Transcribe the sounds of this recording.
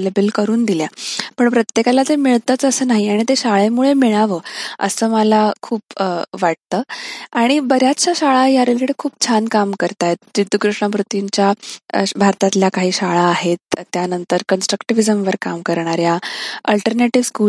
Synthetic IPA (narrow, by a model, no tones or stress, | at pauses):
lebəlkəɾuːnd̪iljapəɳpɾət̪jekalat̪emiɭt̪at͡səsəːnaɦiaɽ̃it̪̬eɕaɭemuɭemiɭaʋəːə̰səːmalakʰuːpʋaʈ̚t̪əːaɽ̃ibəɾjatt͡ɕaɕaɭajaɾeliɽkʰuːp̚t͡ɕʰankamkəɾt̪ajet̪̚d͡ʑid̪ʱːukɾuʂɳapɾut̪iɲt͡ɕjabʱaɾt̪at̪ljakaɦiːɕaɭaːɦet̪t̪ːjanənt̪əɾkənsʈɾəkʈiʋid͡zəmʋəɾkamkəɾɳaɾjaəlʈəɾneʈiʋskuː